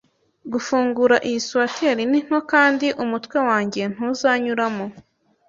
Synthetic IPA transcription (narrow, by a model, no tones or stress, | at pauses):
ɡufuːŋɡuɾaʔijisuatʰeɾinin̥ho̞kaːndiʔumutwe̞waːɲɟe̞n̥huzaɲuɾamo